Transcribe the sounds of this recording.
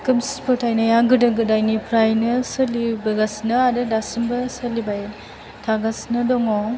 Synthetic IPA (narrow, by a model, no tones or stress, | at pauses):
kɯmspʰɯtʰajnajaɡɯdɯɡɯdajnipʰɾajnɯsɯlibɯɡasnɐadɯdasɯmbɐsɐlibaj | tʰaɡasnɐdɔŋɔ